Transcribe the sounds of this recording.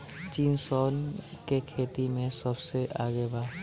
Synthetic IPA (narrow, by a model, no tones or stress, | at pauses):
t͡ʃiːnsɔːnkekʰeːt̪imẽsəbseʔaːɡebaː